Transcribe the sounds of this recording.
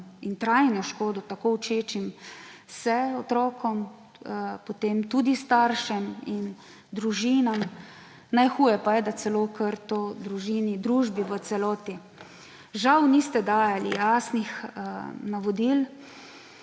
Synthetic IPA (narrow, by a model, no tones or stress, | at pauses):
int̪ɾajnɔʃkoːd̪ɔt̪akoːwt͡ʃeːt͡ʃimsɛɔt̪ɾɔːkɔm | pot̪emt̪ud̪ist̪aɾʃɛmin | d̪ɾuʒiːnam | najxuːjɛpajɛd̪asɛloːkʰəɾt̪od̪ɾuʒiːnid̪ɾuːʒbiʋət̪sɛlɔːt̪i | ʒawnist̪ɛd̪aːjalḭjaːsnix | naʋɔd̪il